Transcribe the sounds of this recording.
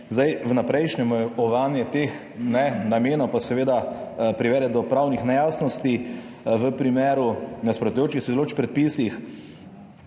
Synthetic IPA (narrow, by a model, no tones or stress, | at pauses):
zd̪ajʋnapɾɛjʃnɛmɔɔʋanjɛt̪ex | nɛnameːnɔwpasɛʋeːd̪apɾiʋɛːd̪ɛd̪ɔpɾaːwnixnɛjaːsnɔst̪i | ʋəpɾimeːɾunaspɾɔt̪ujoːt͡ʃixsizɛloːt͡ʃpɾɛt̪̚pisix